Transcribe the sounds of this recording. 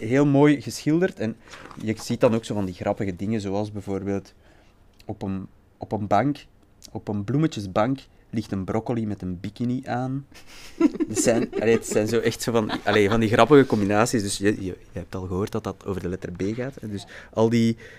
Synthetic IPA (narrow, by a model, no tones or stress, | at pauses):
ɦeːlˠmoːjɣəsxɪlˠdərtɛnjəz̥it̚dɑnoːksoːvɑndiɣrɑpəɣədɪŋəzoːɑlˠzbɛvoːrbeːlˠt | ɔpən | ɔpənbɑŋk | ɔpənblumət͡ʃəzbɑŋk | lɪxtənbrʔɔkolimɛtənbikiniʔaːn | dətsɛnɑleːdətsɛːnzoːʔɛxtsoːvɑnʔɑleːvɑndiɣrɑpəɣəkɔmbinaːsisdʏsjəjəjəɦɛp̚tɑlˠɣəɦoːrt̚dɑtdɑto̰ːvərdəlɛtərbeːɣaːtɛdʏsʔɑlˠdi